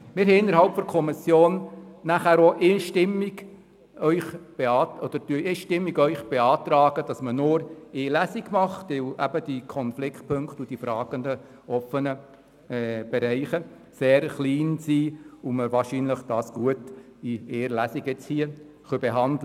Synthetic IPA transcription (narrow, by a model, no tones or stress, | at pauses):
mɪːɾɦhɛɪnːəɾhɑlpfɔɾkʰɔmɪsjoːnːæχæːɾoʔeʃtɪmːɪɡ̥ | œʏχb̥eɑːɔd̥̪əɾd̥yeːʃtɪmːiɡœʏχb̥eɑːt̪ɾɑːɡ̥əd̥ɑsmənʊɾeːlæsiɡmɑχtʋɪwʔæbəd̥ikʰɔnflɪkʰtpʰɵŋktud̥ifɾɑːɡ̥əndə | ɔfənə | ɛb̥ɛɾɛɪχə | seːɾχliːnsiːʊməɾʋɑːɾʃiːnləχd̥ɑːsɡ̥uət | ieːɾlæsiɡjɛt͡shiə | χœbɛɦɑndlə